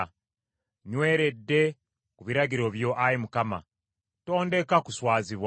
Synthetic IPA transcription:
ɲwe̞ːɾe̞dːe̞ | kuβiɾaɡiɾo̞βjo̞ʔajimukama̰ | to̞ːnde̞kakuswaːziβwa

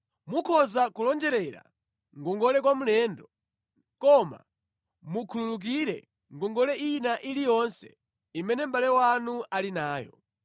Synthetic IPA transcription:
mukʰɔzakulɔnd͡ʒɛɾɛɾa̰ | ŋɡɔŋɡɔlɛkwamulɛːndɔ | kɔma̰ | mukʰululuk̬iɾɛ̰ | ŋɡɔŋɡɔlɛʔinaʔilijɔnsɛ̥̰ | imɛnɛm̩balɛwanuʔalinaːjɔ̰

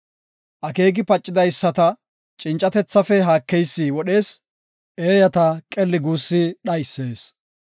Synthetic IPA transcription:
ʔɐke̞ːɡɪpɐt͡ʃʼːɪd̪ɐjsːɐt̪ɐ | t͡ʃʼɪnt͡ʃʼɐt̪ɛt͡sːɐfɛɦaːkːɛjsːiːwɔɗe̞ːs | ʔe̞ːjɐt̪ɐkʼɛlːɪɡuːsːɪɗɐjsːe̞ːs

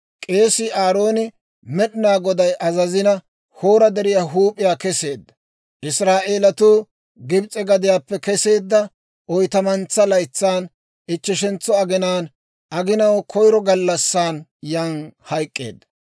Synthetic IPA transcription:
kʼe̞ːsɪaːɾo̞ːnɪ | mɛɗɪnaːɡɔd̪ɐjʔɐzɐzɪnɐ | ho̞ːɾɐd̪ɛɾɪjaɦuːpʼːɪjaːkɛse̞ːd̪ːɐ̥ | ʔɪsɾaːʔe̞ːlɐt̪uː | ɡɪbt͡sʼɛɡɐd̪ɪjaːpːɛkɛse̞ːd̪ːɐ | ʔɔjt̪ɐmɐnt͡sːɐlɐjt͡sːaːn | ɪt͡ʃːɪʃɛnt͡sːɔɐɡɪnaːn | ʔɐɡɪnɐwkʰɔjɾɔɡɐlːɐsːaːnjaːnhɐjkʼːḛːd̪ːɐ̥

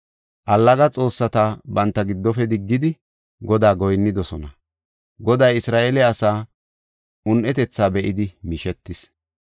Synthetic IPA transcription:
ʔɐlːɐɡɐt͡sʼo̞ːsːɐt̪ɐbɐnt̪ːɐɡɪd̪ːɔfɛd̪ɪɡːɪd̪ɪ | ɡɔd̪aːɡɔjnːɪd̪ɔsɔnɐ | ɡɔd̪ɐjɪsɾaːʔeːlɛɐsaː | ʊnʔɛt̪ɛt͡sːaːbɛʔɪd̪ɪmiʃɛt̪ːɪs

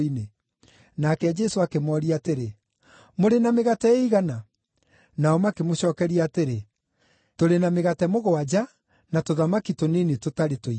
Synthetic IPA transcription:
ine | nakɛd͡ʒɛsoakemɔːɾiateɾe | moɾenameɣatɛeiɣana | naɔmakemoɕɔːkɛɾiateɾe | toɾenameɣatɛmoɣoad͡ʒa | natoðamakitonenetotaɾetoi

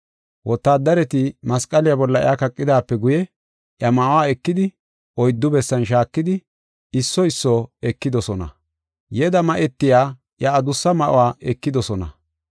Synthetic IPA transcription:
wɔt̪ːaːd̪ɐɾɛt̪ɪmɐskʼːɐlɪjabɔlːɐɪ̰jakɐkʼːɪd̪aːpːɛɡʊjɛ | ʔjɐmɐʔʊwaːɛkːɪd̪ɪ | ʔɔjd̪ːʊbɛsːɐnʃ̬aːkːɪd̪ɪ | ɪsːɔɪsːɔɛkːɪd̪ɔsɔnɐ̰ | jɛd̪ɐmɐʔɛt̪ːɪjaː | ʔjɐːd̪ʊsːɐmɐʔʊ̰waːʔɛkːɪd̪ɔsɔnɐ̰

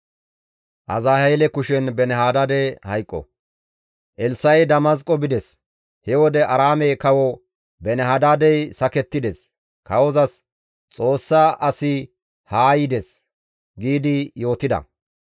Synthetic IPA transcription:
ʔɐzaːhɛlɛkʊʃɛnbɛnɛhaːd̪aːd̪ɛhɐjkʼːɔ̰ | ʔɛlsɐjd̪ɐmɐs̬kʼːɔbɪd̪ɛs | hɛwɔd̪ɛʔɐɾaːmɛjkɐwɔ | bɛnɛɦaːd̪aːd̪ɛjsɐkɛt̪ːɪd̪ɛs | kɐwɔzɐs | t͡sʼo̞ːsːaʔɐsɪ | haːjɪd̪ɛs | ɡiːd̪ɪjo̞ːt̪ɪd̪ɐ̰

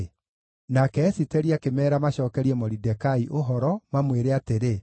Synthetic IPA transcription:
nakɛːsitɛɾiakemɛːɾamaɕɔːkɛɾiɛmɔɾidɛkaiʔoɦɔɾɔmamweɾeateɾe

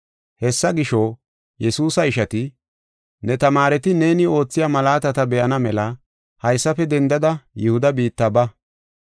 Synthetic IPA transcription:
hɛsːɐɡɪʃo | jɛsuːsɐɪʃɐt̪ɪ | nɛt̪ɐmaːɾɛt̪ɪne̞ːnɪo̞ːt͡sːɪjaːmɐlaːt̪ɐt̪ɐbɛʔɐnɐmɛlɐ | hɐjsːɐfɛd̪ɛnd̪ɐd̪ɐjʊhʊd̪ɐbiːt̪ːɐbɐ

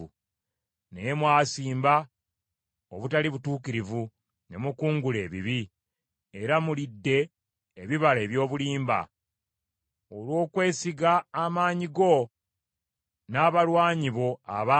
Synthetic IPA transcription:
u | nejmwaːsiːmba | oβutaliβutuːkiɾivu | ne̞mukuːŋɡule̞ːβiβi | eɾamulidːe̞ː | βiβaleːβjo̞ːβuliːmba̰ | olwo̞ːkwe̞ːsiɡaːmaːɲiɡo̞ | naːβalwaːɲiβo̞a̰βa

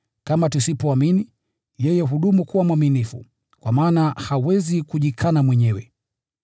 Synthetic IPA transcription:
kamatusipɔamini | jɛjɛɦuɗumukuwamwaminifṵ | kwamaːnahawɛzikuʄikʰanamwɛɲɛwɛ̰

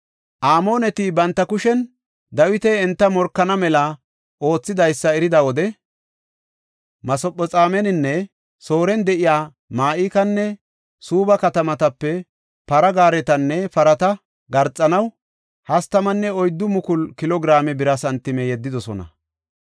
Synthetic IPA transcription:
ʔaːmo̞ːnɛt̪ɪbɐnt̪ːɐkʊʃɛn | d̪ɐwɪt̪ɛɛnt̪ːɐmɔɾkːɐnɐmɛlɐ | o̞ːt͡sːɪd̪ɐjsːɐɛɾɪd̪ɐwɔd̪ɛ | mɐsɔpʼːɔt͡sʼaːmɛnɪnːɛ | so̞ːɾɛnd̪ɛʔɪjaː | maːʔiːkɐnːɛ | suːbɐkɐt̪ɐmɐt̪ɐpːɛ | pɐɾɐɡaːɾɛt̪ɐnːɛpɐɾɐt̪ɐ | ɡɐɾt͡sʼːɐnɐw | hɐst̪ɐmɐnːɛɔjd̪ːʊmʊkʊlkɪlɔɡɾaːmɛbɪɾɐsɐnt̪ːɪmɛjɛd̪ːɪd̪ɔsɔ̰nɐ̰

